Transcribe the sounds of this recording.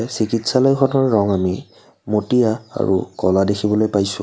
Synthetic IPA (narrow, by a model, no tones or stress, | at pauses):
sikitsalɔjkʰɔnɔɹːɔŋami | motijaa̰ɹṵkɔladexʰibɔlojpajsʊ̃